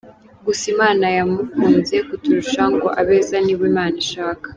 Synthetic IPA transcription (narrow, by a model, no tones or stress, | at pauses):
ɡusimaːnajamufuːnze̞kutuɾuʃaŋɡo̞ʔaβe̞ːzaniβiːmaːniʃaːkḁ